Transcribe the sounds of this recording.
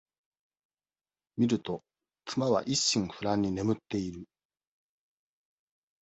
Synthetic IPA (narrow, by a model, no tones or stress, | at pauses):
mʲiɾɯ̟t̪o̞ | kɯmaβa̰ʔiɕːĩŋ̃ɸɯ̟ɾãɲ̟ːine̞mɯ̟t̪ːe̞iɾɯ̟